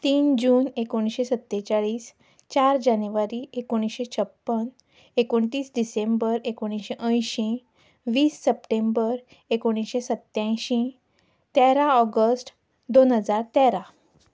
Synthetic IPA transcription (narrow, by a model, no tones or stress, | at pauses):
t̪iːnd͡ʑuːnekoɽ̃iɕesət̪ːet͡ɕaɭiːs | t͡ɕaɾd͡ʑanuʋaɾiʔekoɽ̃isɕet͡ɕʰəpːən | ekoɳʈiːsɖisẽmbəɾekoɽ̃iɕeʔə̃jɕĩ | ʋiːsːəpʈembəɾ | ekoɽ̃isɕesət̪jãjɕĩ | t̪ɛɾaɔɡəsʈ | d̪onɦəd͡zaɾt̪ɛɾa